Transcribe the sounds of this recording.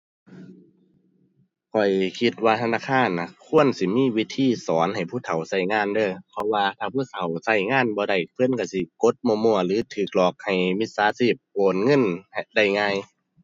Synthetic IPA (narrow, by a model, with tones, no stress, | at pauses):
kʰɔ˨˩jkʰi˧t̪̚waː˧t̪ʰa˧naː˧˨˩kʰaː˧˥˨nːa˧˩kʰu˧˥˨ənsi˧˦miː˧˥˨wi˧˥t̪ʰiː˧˥˨sɔː˨˦nha˨˩jpʰuː˧˥˨t̪ʰa˨˩wsa˧˩jŋaː˧˥˨ndɤː˧˩pʰɔ˧waː˧t̪ʰaː˧˩pʰu˧˥˨t̪ʰa˨˦wsa˧˩jŋaː˧˥˨nbɔː˧da˧˩jkʰɯ˧˥˨nka˧˩si˧˦ko˧˦t̪̚mo˧˨mu˧˩ɐlɯː˨˦t̪ʰɯː˨˩k̚lɔː˨˩k̚ha˨˩jmi˧˥t̪̚saː˨˦siː˧˩p̚koː˨˩n̚ŋɤ˧˥˨n˧da˧˩jŋaː˧˨j